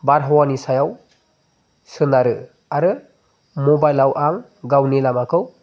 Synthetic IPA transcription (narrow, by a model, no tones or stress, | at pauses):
baɾɦɔwanisajaw | sɯnaɾɯ | aɾɯ | mɔbajlawʔaŋ | ɡawnelamakʰɯw